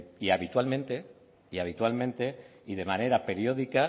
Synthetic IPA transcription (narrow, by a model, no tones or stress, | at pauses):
iaβit̪walmẽnt̪e̞ | iaβ̞it̪walmẽ̞nt̪e̞iðe̞mãne̞ɾape̞ɾjo̞ðika